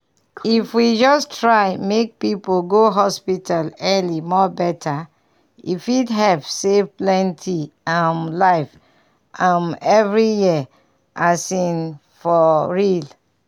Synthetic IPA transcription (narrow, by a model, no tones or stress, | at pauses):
ifwid͡ʒɔstʰɹaɪmek̚pipolɡoɦɔspitʰalɛlimɔbɛtʰa | ḭfitɦɛv̥sevplɛ̃ntʰiãmlaɪf | ʔãmɛvɹiji | ʔasĩn | fɔɹil